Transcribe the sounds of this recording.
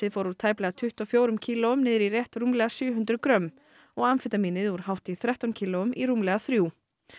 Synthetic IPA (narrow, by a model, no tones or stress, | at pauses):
ɪðfowɾuɾt̪ʰaːjplɛɣat̪ʰʏht̪ɔfjoːwɾʏmcʰiːlɔʏmnɪːðɪɾirjɛht̪ruːmlɛɣasjʏːɦʏnt̪ɾʏkɾœm | ɔɣanfɪt̪amiːnɪðuɾ̥hawht̪ɪθɾɛht̪ancʰiːlɔʏmiɾuːmlɛɣaθɾjuː